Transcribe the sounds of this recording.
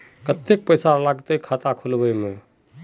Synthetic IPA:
kət̪ek̚pəjsalaɡt̪əkʰat̪akʰulbəjme

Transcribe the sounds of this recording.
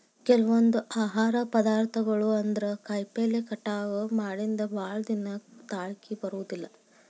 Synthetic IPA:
kɛlɐʋond̪uʔaːɦaːɾɐpɐd̪aːɾt̪ʰɐɡɐɭuɐnd̪ɐɾekɐjpeːlekɐʈːaːɡɐmaːɽind̪ɐbaːɭɐd̪inɐt̪aːɭkibɐɾuːd̪ilːɐ

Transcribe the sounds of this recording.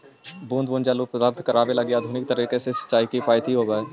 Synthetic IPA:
bũːnd̪̚bũːnd͡ʒaːlupɾət̪aːbt̪kəɾaːʋelɐɡiaːd̪ʱuːnɪk̚t̪əɾiːkesesə̥t͡ʃaːikipʰaːjt̪ʰiɦoːɡəe

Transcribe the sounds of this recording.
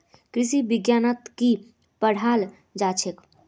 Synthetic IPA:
kɾisibiɡjanət̪ki | pəɽ̤ʱal | d͡ʒat͡ʃʰek

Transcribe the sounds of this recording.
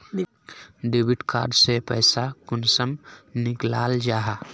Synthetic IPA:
n | ɖeːbɪʈkaːɾɖsepɛ̰ːsakʊnsəmnɪklaːld͡ʒaːɦa

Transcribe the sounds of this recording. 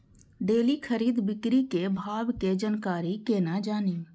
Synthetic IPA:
ɖeːlikʰəɾiːd̪bɪkɾikebʱaːbked͡ʒənkaːɾikeːnad͡ʒaːniː

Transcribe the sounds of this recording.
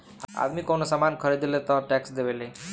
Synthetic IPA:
a̰d̪miːkoɳəsəmankʰəɾed̪ilet̪əɾʈɛksd̪eʋele

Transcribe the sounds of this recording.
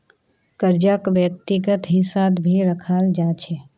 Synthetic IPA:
kəɾd͡ʒakʋjək̚t̪iɡət̪ɦɪ̃sad̪bʱiɾəkʰaːld͡ʒaːt͡ʃʰɛ

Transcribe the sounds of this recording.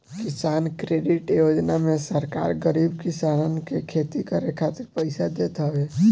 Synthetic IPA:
kisaːnkɾeɖɪʈjod͡ʒnamẽsəɾka̰ɾɡəɾibkisannkekʰet̪ikəɾekʰat̪ɪɾpəɪsad̪et̪ɦəe

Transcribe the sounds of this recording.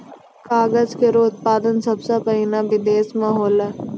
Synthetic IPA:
kaːɡəzkeɾoːʊt̪̚paːd̪ənsɐbsapɐɦinabɪd̪eːsmɐɦɔːlɛː

